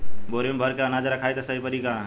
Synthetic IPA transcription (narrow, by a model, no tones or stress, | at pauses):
boɾembʱəɾkeənad͡ʒɾəkʰajt̪səipəɾika